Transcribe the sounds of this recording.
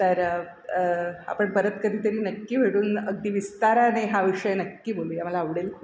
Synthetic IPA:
t̪əɾ | a̰pəɳpəɾət̪kəd̪ʱiːt̪əɾiːnəkːiːʋ̤ʱeɽuːnəɡ̚d̪iːʋist̪aɾaneɦaʋiʂəjnəkːiːboluːjaməlaːʋɽeːl

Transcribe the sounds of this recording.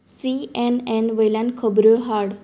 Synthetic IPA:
siɛnɛ̃nʋəjlãnkʰəbɾəɦaɽ

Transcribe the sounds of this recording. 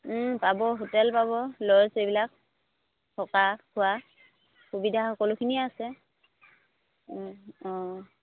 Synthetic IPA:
pabɔɦotɛlpabɔlɔɹsebilak | tʰɔkakʰʊa | xubidʱaxɔkɔlʊkʰiniɛasɛ | ɔ̃

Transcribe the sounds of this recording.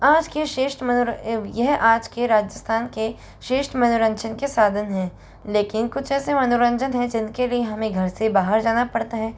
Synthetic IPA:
aːd͡ʒkeʃeːʃʈmɐʊjɛɦaːd͡ʒkeɾaːd͡ʒəst̪ʰaːnke | ʃeːʃʈmɐnʊɾə̃nt͡ʃʰənkesaːd̪ʱənɦɛ̃ː | leːkɪnkʊt͡ʃʰɛːsemɐnʊɾə̃nd͡ʒənɦɛ̃d͡ʒɪnkelieɦɐmẽɡʱɐɾsebaːɦəɾd͡ʒaːnapɐɽt̪aɦɛ̃ː

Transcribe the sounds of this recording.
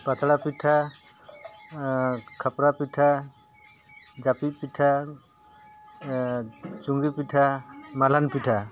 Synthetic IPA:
bat̪ɽapitʰa | kʰapɾapitʰa | d͡ʒapipitʰa | t͡ʃuŋɡipitʰamalanpitʰa

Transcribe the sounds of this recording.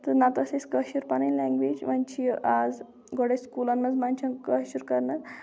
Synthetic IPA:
t̪ənat̪aseskəɕuɾpananlɛ̃ŋɡʋeːd͡ʑmant͡ɕiad͡z | ɡoɽeskulanːəd͡zmant͡ɕʰãkəuɾkəɾna

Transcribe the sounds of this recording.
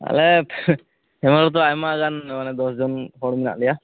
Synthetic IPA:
a̰lɛ | hɛmaɾɔt̪̬ɔajmaɡanmanɛd̪ɔsd͡ʒɔnhɔɽmina̰ʔlija

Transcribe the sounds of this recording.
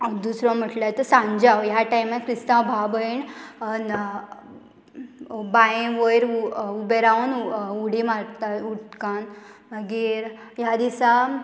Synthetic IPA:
d̪usɾɔ̃m̤əʈlat̪əsãɲd͡ʑawjaʈajmakɾist̪ãbʱabəiɳ | bajẽʋəjɾubeɾaʋnuɽimaɾt̪atuʈkanməɡiːɾ | jad̪isa

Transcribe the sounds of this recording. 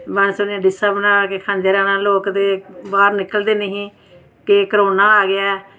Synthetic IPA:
mɛnsʊnːãɖɪsaːbənãːkekʰãːnd͡ʒeːɾaːnãːloːkd̪eːbaːɾnɪkəld̪eːnəɦĩː | kekəɾoːnãːaːɡɪɛː

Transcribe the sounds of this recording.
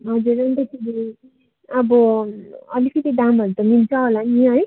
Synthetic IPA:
ɦʌd͡zuɾʌnt̪etʰiɡi | ʌbʌ | ʌ̰likit̪ed̪amʌɾut̪ʌmilt͡sʰaɦolaniɦʌj

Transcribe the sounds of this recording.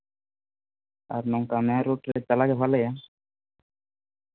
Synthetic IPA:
a̰ɾnɔŋkamɛɾuʈɾɛt͡ʃalaɡɛfalaja

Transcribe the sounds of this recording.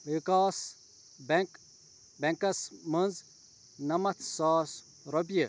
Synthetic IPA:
ʋikaːs | bk | bɛŋkɐsmɐnz | nɐmɐt̪ʰsaːs | ɾobijə

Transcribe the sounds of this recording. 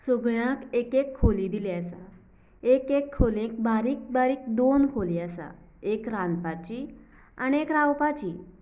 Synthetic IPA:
səɡɭjãkekekʰːoliːd̪ileasa | ekekʰːolẽk̚baɾiːk̚baɾiːk̚d̪onkʰoliasa̰ | ekɾanpat͡ɕiː | a̰niekɾawpat͡ɕiː

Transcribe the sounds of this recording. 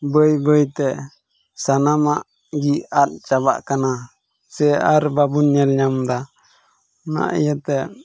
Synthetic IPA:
bəjbəjt̪ɛ | sanamaʔ | ɡiat̪̚t͡ʃaβa̰ʔkana | sɛaɾbabuɲɛlɲamd̪a | na̰ʔɛjat̪ɛ

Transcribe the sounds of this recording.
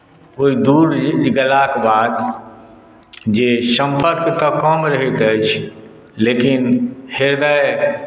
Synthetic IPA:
oid̪uɾd͡ʒɡəlakbad̪ | d͡ʒesəmpʰəɾkt̪əkəmɾəɦit̪əjt͡ʃʰ | lekinheɾd̪əe

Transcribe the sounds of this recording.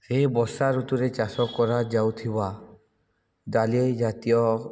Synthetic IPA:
sebɔsaɾut̪uɾet͡ʃasɔkːɔɾad͡ʒawt̪ʰiba | d̪alied͡ʒat̪ijɔ

